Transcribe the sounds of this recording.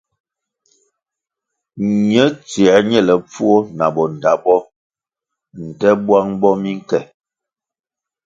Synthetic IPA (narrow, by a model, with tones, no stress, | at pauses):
ɲə˦t͡sɛ˨˦ɲɛ˦˨lɛ˨p͡fu˦o˦na˨bɔ˨n˨da˨˦bɔ˦ | n̩˨tɛ˦bwa˦ŋbɔ˦mi˦ŋ˦kɛ˨